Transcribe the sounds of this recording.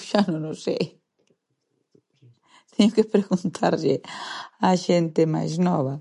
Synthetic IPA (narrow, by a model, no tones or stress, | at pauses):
ʃanõnosej | t̪eɲokepɾeɣunt̪ʰa̰ɾʎeaʃent̪ema̰jznɔβa